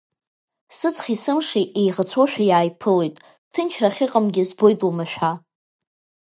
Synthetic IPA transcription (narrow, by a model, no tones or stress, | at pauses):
sɨt͡sʰʼχʲisɨmʂiʔejʁat͡sʷʰoʃᶣajaːjpʰɨlo̞jtʼ | tʰɨnt͡ʃʰraχʲɪqʼəmɡʲɪzbojtʼwamaʃᶣʷa